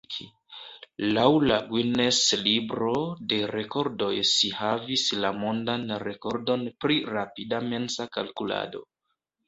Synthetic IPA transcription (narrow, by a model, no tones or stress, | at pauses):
i | lawlaɡwineslibɾo̞de̞ɾe̞ko̞ɾdo̞jʃihavislamo̞ndanɾe̞ko̞ɾdo̞npɾiɾapidame̞nsakalkula̰do̞̰